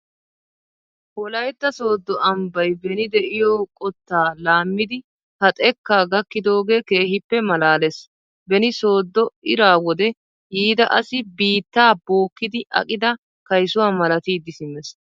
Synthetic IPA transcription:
hɔlɐjt̪ːɐso̞ːd̪ːɔʔɐmbɐjbɛnɪd̪ɛʔɪjoːkʼɔt̪ːaːlaːmːɪd̪ɪ | hɐt̪ʼɛkːaːɡɐkːɪd̪o̞ːɡe̞ːke̞ːhɪpːɛmɐlaːlɛs | bɛnɪso̞ːd̪ːɔɪɾaːwɔd̪ɛ | hiːd̪ɐʔɐsɪbiːt̪ːaːbo̞ːkːɪd̪ɪʔɐ̰kʼɪd̪ɐ | kɐjsʊwaːmɐlɐt̪iːd̪ːɪsɪmɛs

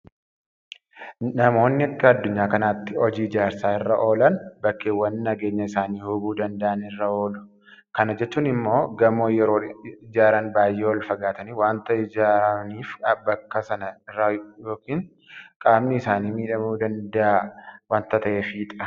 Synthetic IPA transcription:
nɐmo̞ːnːɪɐkːɐɐd̪ːʊɲːaːkɐnaːt̪ːɪɔd͡ʒiːɪd͡ʒaːɾsaːɪrːɐʔo̞ːlɐnbɐkːeːwːɐnːɐɡe̞ːɲːɐɪsaːniːhʊbuːd̪ɐnd̪ɐʔɐnɪrːɐo̞ːlʊ̥ | kɐnɐd͡ʒɛt͡ʃːuːnɪmːo̞ːɡɐmoːjɛɾoːɪd͡ʒaːɾɐnbaːjːeːwɐlfɐɡaːt̪ɐniːwaːnt̪ɐɪd͡ʒaːɾɐniːfɐbɐkːɐsɐnɐɪrːɐjo̞ːkiːŋ | kʼaːbnɪɪsaːniːmiːᶑɐmuːd̪ɐnd̪ɐʔawaːnt̪ɐt̪ɐʔeːfiːᶑ̪ʼɐ̥

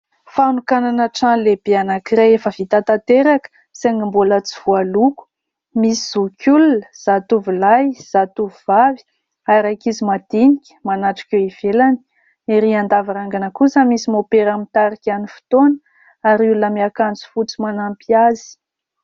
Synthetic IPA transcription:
fanukananaʈ͡ʂanleb̥eanakiɾajefəv̥it̪at̪at̪eɾakə̥ | seŋimbulət͡siv̥ualuku̥ | misiz̥ukʲulunəz̥at̪uvilajz̥at̪uvuvavi̥ | aɾajkizimad̪̥inikʲə̥manaʈ͡ʂḁkʲoiv̥elani̥ | iɾiand̪avaɾaŋɡanəkusamisimopeɾamit̪aɾikʲanifi̥t̪on | aɾulunəmiakant͡su̥fut͡simanampiazi̥

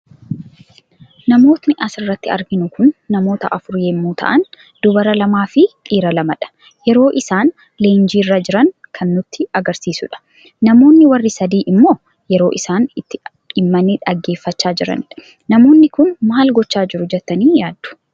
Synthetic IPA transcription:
nɐmo̞ːt̪nɪʔɐsɪrːɐt̪ːɪɐ̰ɾɡɪnʊkʊnːɐmo̞ːt̪ɐ̰ʔɐfʊɾjeːmːuːt̪ʰɐ̰ʔɐn | d̪̥ʊbɐɾɐlɐmaːfɪkʼiːɾɐlɐmɐᶑɐ̥ | jɛɾo̞ːʔɪsaːn | le̞ːnd͡ʒiːrːɐd͡ʒɪɾɐŋkʰɐnːʊt̪ːɪɐɡɐɾsiːsʊᶑɐ̥ | nɐmo̞ːnːɪwɐrːɪsɐd̪iːʔɪmːo̞ː | jɛɾo̞ːʔɪsaːnɪt̪ːɪ | ɪmːɐnːɪᶑɐɡːe̞ːfːɐt͡ʃːaːd͡ʒɪɾɐ̰nɪᶑɐ̥ | nɐmo̞ːnːɪkʊnmaːlɡɔt͡ʃːaːd͡ʒɪɾʊd͡ʒɛt̪ːɐniːjaːd̪ːʊ̥

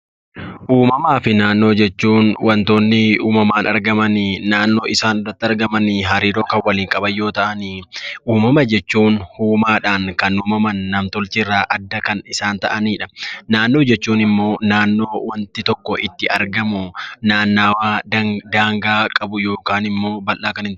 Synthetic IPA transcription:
ʔuːmɐmaːfɪnaːnːo̞ːd͡ʒɛt͡ʃːuːnwɐnt̪o̞ːnːɪuːmɐmaːnɐɾɡɐmɐnɪnaːnːo̞ːʔɪsaːnd̪ɐt̪ːɐɾɡɐmɐnɪɦɐɾiːɾo̞ːkɐnwɐliːŋkʼɐbɐjːo̞ːt̪ɐʔɐniʔuːmɐmɐd͡ʒɛt͡ʃːuːnhuːmaːᶑaːnkɐnuːmɐmɐnːɐmt̪ɔlt͡ʃɪrːaːʔɐd̪ːɐkɐnɪsaːnt̪ɐʔɐniːᶑɐnaːnːo̞ːd͡ʒɛt͡ʃːuːnɪmːo̞ːnaːnːo̞ːwɐnt̪ɪt̪ɔkːɔʔɪt̪ːɪʔɐɾɡɐmʊnaːnːaːwaːd̪ɐd̪aːŋɡaːkʼɐbʊjo̞ːkaːnɪmːo̞ːbɐlʔaːkɐnɪn

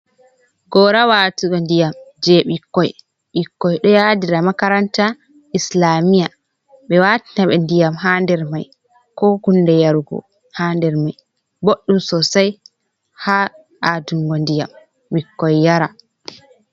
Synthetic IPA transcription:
ɡɔɾawaːtuɓɛndijamd͡ʒɛɓikːɔj | ɓikːɔjɗɔjadiɾamakaɾanta | ʔislaːmija | ɓɛwati̥naɓɛndijamɦandɛɾmaj | kɔɡunːdɛjaɾuɡɔ̰ | handɛɾmaj | boɗːumsɔsaj | ha | ʔaduŋɡɔndija̰m | wikːɔjːaɾa

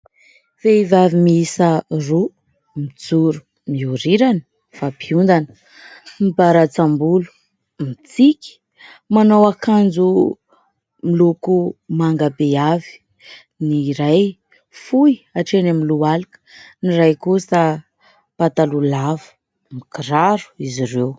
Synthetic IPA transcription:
veivavimiisəru | mid͡zuɾu̥ | miuɾiɾanə̥ | fapiund̪anə | mibaɾat͡sambulu̥ | mit͡sikʲi̥ | manowakand͡zu | milukumaŋɡabeavi̥ | niɾaj | fujaʈ͡ʂenamilualikə̥nirajkusə | pat̪alulavə̥ | mikiɾaɾu̥iziɾew

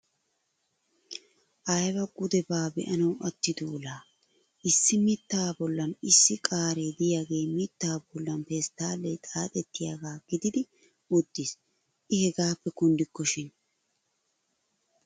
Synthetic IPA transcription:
ʔɐjbɐɡʊd̪ɛbaːbɛ̰ʔɐnɐwʔɐt̪ːɪd̪uːlaː | ʔɪsːɪmɪt̪ːaːbɔlːɐnɪsːɪkʼaːɾeːd̪ɪjaːɡe̞ːmɪt̪ːaːbɔlːɐnpest̪ːaːlːɛt̪ʼaːt̪ʼɛt̪ːɪjaːɡaːɡ̥ɪd̪ɪd̪ɪ | ʊd̪̥ːɪs | ʔɪhɛɡaːpːɛkʊnd̪ɪkːɔʃɪn

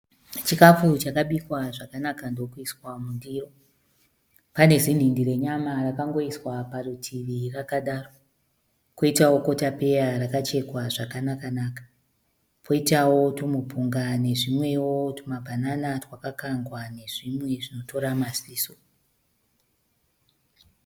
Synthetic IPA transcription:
t͡ʃikafut͡ʃakaɓikwaʐakanakandokuiswamundiːro̞ | pane̞zindindiɾe̞ɲamarakaŋɡo̞iswaparutʰiʋirakaɗaːro | ko̞itawo̞ko̞tape̞jarakat͡ʃe̞kwaʐakanakanaːkḁ | pʰo̞itawo̞tomupuŋɡane̞ʐimwe̞wo̞tomabʱananatwakakaŋɡwane̞ʐimwe̞ʐino̞to̞ɾamasiːso̥

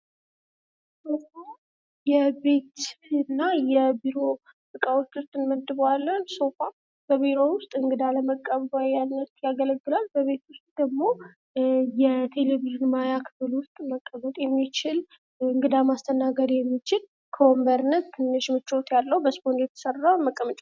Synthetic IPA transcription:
soa | jɛbe̞t̪ɨnːajɛbiɾo̞ | bɨkʼawot͡ʃːʊst̪ʼːɨnməd̪ɨβalːənsofa | b̥əβiɾo̞wʊst̪ʼɨŋɡɨd̪aləməkʼːəβbajjanːət̪jaɡələɡːɨlalbəβe̞t̪wʊst̪ʼd̪̥əɡmo̞ | jɛt̪ʰe̞leβiʒɪnmajakʰɨ̥fɨlwʊst̪ʼməkʼːəmət̪ʼjɛmːit͡ʃɪl | ɨŋɡɨd̪amast̪ʰənaɡəd̪jɛmːit͡ʃɪl | kʰəwɔmbəɾɨnːət̪t̪ʰːɨnːəʃmɨt͡ʃːo̞t̪jalːəhubəspond̪jɛt̪ʰə̥sərːawnməkʼːəmət͡ʃʼ

